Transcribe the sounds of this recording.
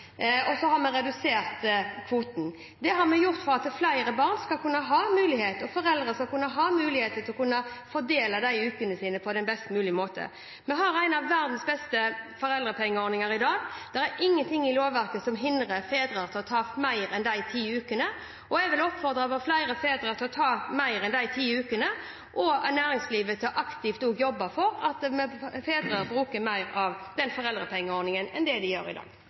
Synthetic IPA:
ɔsɔɦɑɾmɛɾɛd̪ʉseːʁt̪kʰʋuːt̪n̩ | d̪ɛɦɑɾmɛjʊɾt̪fɔɾɑt̪ɛflæɪɾəbɑːʁnskɑlkʉnːəɦɑːmʉːlɪheːt̪ɔfɔɾɛld̪ʁəskɑlkʉnːəɦɑːmʉːlɪheːt̪ət̪ʰɪlɔkʰʉnːəfɔɾd̪eːlɑd̪æɪʉːkənəsiːnəpʰɔd̪ɛnbɛst̪mʉːlɪmoːt̪ə̰ | mɛɦɑɾæɪnɑʋːæɾd̪n̩sbɛst̪əfɔɾɛld̪ɾəpʰɛŋːəɔːɾnɪŋɑɾɪd̪ɑːɡd̪̥ɛɾæɾɪŋːənt̪ʰɪŋːɪloːʋʋæɾkəsɔmɦɪnd̪ɾəfeːd̪ɾəɾt̪ʰɪlɔt̪ʰɑːmæɪɾɛnd̪æɪt̪ʰiːʉːkənə | ʔɔɛɡʋɪlɔpːfɔɾd̪ɾɑʋəflæɪɾəfeːd̪ɾəɾt̪ʰɪlɔt̪ʰɑːmæɪɾɛnd̪æɪt̪ʰiːʉːkənə | ʔɔnæːɾɪŋsliːʋət̪ʰɪlɔʔɑkt̪ɪft̪oːɡjɔbːɑfɔɾɑt̪mɛfeːd̪ɾəɾbɾʉːkəɾmæɪɾɑʋd̪̥ɛnfɔʁɛld̪ɾəpʰɛŋːəɔɾnɪŋənɛ̰nd̪ɛd̪ɪjø̰ːɾɪ̰d̪ɑ̰ːɡ̥

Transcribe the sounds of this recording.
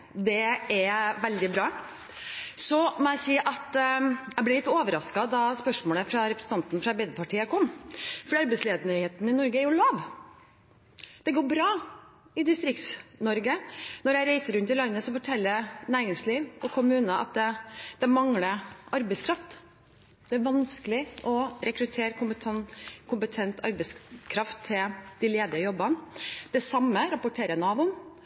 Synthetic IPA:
d̪ɛɛʋɛld̪ɪbɾɑː | sɔmɔæsiːʔɑt̪jæɪb̪ɛlɪt̪ːoːʋəɾɑskɑd̪ɑspœʂmoːləfɾɑɾɛpɾəsn̩ɑnt̪nfɾɑɛbɛɪd̪əpɑʈʰiːəkʰɔmːfɔɾɑɾbɛɪsleːd̪ənœʏheːt̪n̩ɪnɔɾɡəæɾjʊlɑːʋ | d̪̥ɛɡoːɾbɾɑː | ɪd̪ɪst̪ɾɪk̚t̪snɔɾɡənɔɾjæɪɾæɪsəɾʉnt̪ɪlɑnːəsɔfɔʈʰɛlːəɾnæːɾɪŋsliːʋɔkʰʊmʉːnəʔɑ̰t̪̚d̪ɛd̪̥ɛmɑŋləʔɑɾbɛɪskʰɾɑft̪ | d̪̥ɛæɾʋɑnskəlɪʔɔɾɛkɾʉt̪ʰeːɾkʊmənkʰʊmpət̪ʰɛnt̪ʰɑ̰ɾbɛɪskʰɾɑft̪ʰːɪld̪̥ɪleːd̪ɪəjɔbːənd̪̥ɛsɑmːəɾɑpʊʈʰeːɾjænɑːbʊn

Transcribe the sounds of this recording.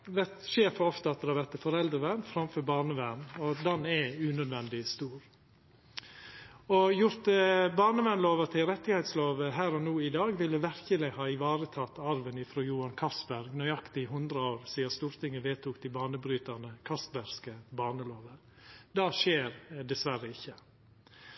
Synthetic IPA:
ʋɛt̪ʃeːfɔɔft̪əɑt̪̚d̪ɛhɑʋɛt̪ːəfɔɾɛld̪ɾəʋænfɾɑmføːɾbɑːɳəʋænɔd̪ɛnɛʉnœd̪ʋɛnd̪ɪst̪uːɾ | ɔjʊɾt̪bɑːɳəʋɛnloːʋət̪ʰɪlɾɛt̪ːɪhɛt̪sloːʋəɦæːɾɔnuːɪd̪ɑːɡʋɪlːəʋæɾkəlɪhɑːɪʋɑːɾət̪ʰɑt̪ːɑɾʋənɪfɾoːjuːɑnkʰɑst̪bæɾɡnœʏjɑkt̪ɪɦʉnd̪ɾəoːɾsiːɑst̪uːɾt̪ʰɪŋːəʋeːt̪ʰuːkd̪ɪbɑːɳəbɾyːt̪ənəkʰɑst̪bæɾskəbɑːɳəloːʋə | d̪ɑːʃeːɾd̪ɛsʋæɾəɪçːə

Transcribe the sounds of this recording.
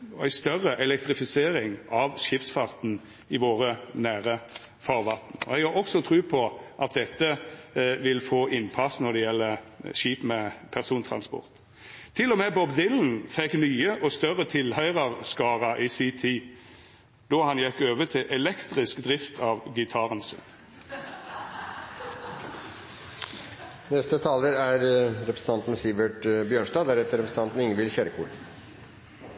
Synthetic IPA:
ɔæɪst̪œrːəʔɛlɛkt̪ʁɪfɪseːɾɪŋʔɑʋʃɪpsfɑʁt̪n̩ | ɪʋoːʁənæːʁə | fɑːʁʋɑt̪n̩ɔ̰ɛɡɑɔksɔt̪ʰʁʉːpʰɔʔɑt̪̚d̪ɛt̪ːəʋɪlfoːʔɪnpʰɑsːnɔd̪ɛjɛlːəʃiːpmɛpʰæʁsuːnt̪ʰʁɑ̰nspɔ̰ʁt̪ʰː | ɪlːɔmɛːbɔbd̪ɪln̩fɛkːnyːəʔɔst̪œɾət̪ʰɪlhœʏʁəʁskɑːʁɑʔiːsiːt̪ʰiː | d̪̥oːhɑnjɛkːøːʋət̪ʰɪʔɛlɛkt̪ʁɪskd̪ʁɪft̪ʰɑːʋɡɪt̪ʰɑʁənsʉ̰n | nɛst̪ət̪ʰɑːləɾæɾɾɛpɾə̥sn̩t̪ʰɑnt̪n̩sɪbəʈbjøːɳʂd̪ɑːd̪æɾɛt̪əɾɛpɾs̩t̪ɑnt̪n̩ɪŋənʋɪlçøːɾəkʰuːɖ

